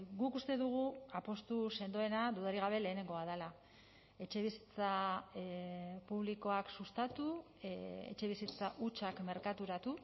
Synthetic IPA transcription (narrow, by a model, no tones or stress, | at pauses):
ɡukust̪e̞ðuɣ̞uapo̞st̪use̞nd̪oe̞nad̪uðaɾiɣ̞aβ̞e̞le̞ːne̞ŋɡo̞aðala | e̞t͡ʃe̞β̞isi̥t͡sa | puβ̞liko̞aksust̪at̪u | ḛt͡ʃe̞β̞isit͡saʔut͡ʃakme̞ɾkat̪uɾat̪u